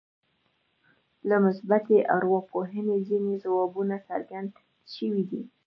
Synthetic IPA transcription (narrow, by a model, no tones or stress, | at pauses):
lamʊsbat̪eʔa̰ɾwɑpʰoɦənezinezawɑbunasa̰ɾɡand̪ | ʃəwid̪i